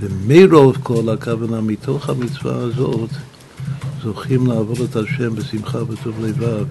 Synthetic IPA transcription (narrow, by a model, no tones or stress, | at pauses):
vəmeɾovkʰolakʰavanamitʰoχhamit͡sva̰azot | z̥oχimlaavodethaʃɛmbəsimχavətʰovlejvav